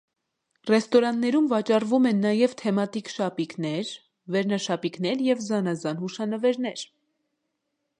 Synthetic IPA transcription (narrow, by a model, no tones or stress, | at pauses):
rɛst̪ɔɾɑnːɛɾumvɑt͡ʃɑrvumɛnːɑjɛvt̪ʰɛmɑt̪ikʃɑpiknɛɾ | vɛɾnɑʃɑpiknɛɾjɛvzɑnɑzɑnhuʃɑnəvɛɾnɛɾ